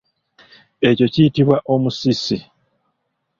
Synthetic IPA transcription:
e̞co̞ciitiβwaʔo̞musisi

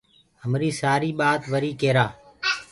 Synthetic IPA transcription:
ɦəmɾiːsaːɾiːɓaːt̪ʋəɾiːkeːɾaː

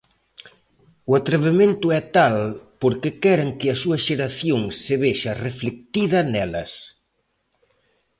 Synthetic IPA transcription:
uat̪ɾeβemẽnt̪ʊɛt̪alpoɾkekɛɾaŋkɪɐsuɐʃeɾaθjoŋsseβeʃɐreflek̚t̪iðɐnɛlɐ̰s

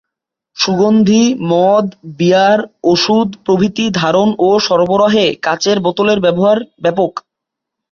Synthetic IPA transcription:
ʃuɡond̪ʱimɔd̪biaɾoʃud̪pɾobʱit̪id̪ʱaɾonoʃɔɾboɾɔɦekat͡ɕeɾbɔt̪oleɾbɛboɦaɾbɛpok

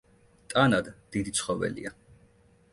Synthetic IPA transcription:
t̪ʼanad̪d̪̥id̪it̪sʰχɔvɛ̰lḭa

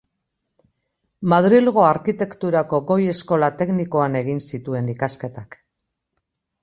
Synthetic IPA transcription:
maðɾilɣo̞aɾkit̪e̞kt̪uɾako̞ɣo̞je̞sko̞lat̪e̞knikoane̞ɣinsit̪ue̞nikaske̞t̪ak

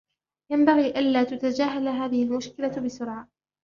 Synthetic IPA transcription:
jambaɣiːʔanlaːt̪ʊt̪ad͡ʒaːɦalɦaːðɪhɪlmʊʃkɪlabɪsʊɾʕa

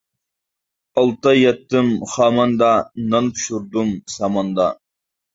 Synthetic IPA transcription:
ɑlˠt̪ɑjɛt̪ːɨmχɑːmɑnd̪ɑnɑnpʰʃuɾd̪umsɑmɑnd̪ɑ

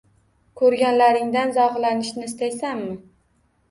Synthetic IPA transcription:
kʰɵɾɡʲanlaɾɪŋd̪anzɒʁlanɪʃnɪːst̪ajsammɪ

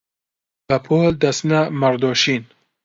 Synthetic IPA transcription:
b̥ɐpʰoːld̪ɐsnɐmɐɾd̪oːʃiːn

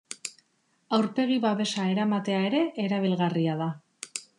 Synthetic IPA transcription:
awɾpe̞ɣ̞iβaβe̞sae̞ɾamat̪e̞ae̞ɾe̞ʔːɾaβ̞ilɣariað̞a

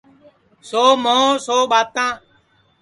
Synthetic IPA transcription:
soːmõːsoːɓaːt̪ãː

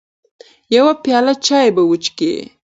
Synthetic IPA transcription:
jawapjɑlat͡ʃɑjebawət͡ʃkḛ

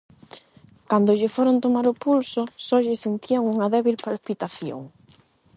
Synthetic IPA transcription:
kand̪ʊʎɪfɔɾont̪omaɾʊpulsʊsɔʎɪsent̪iaŋuŋɐðɛβilpalpit̪aθjo̰ŋ

